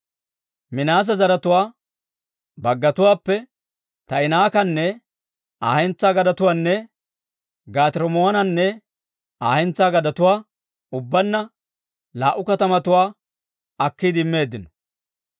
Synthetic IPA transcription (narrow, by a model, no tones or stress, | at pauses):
mɪnaːs̬ɐzɐɾɐt̪ʊwaː | bɐɡːɐt̪ʊwaːpːɛ | t̪ɐɪnaːkɐnːɛ | aːhɛnt͡sːaːɡɐd̪ɐt̪ʊwaːnːɛ | ɡaːt̪ɪɾɔmoɐnɐnːɛ | aːhɛnt͡sːaːɡɐd̪ɐt̪ʊwaː | ʊbːɐnːɐ | laːʔʊkɐt̪ɐmɐt̪ʊwaː | ɐkːid̪ɪmːe̞ːd̪ːɪnɔ̥